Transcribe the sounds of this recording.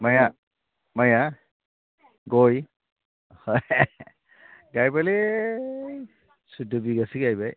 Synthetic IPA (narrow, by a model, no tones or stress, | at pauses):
maja | maja | ɡoj | hoj | ɡajbale | sudɯbiɡasiɡajbaj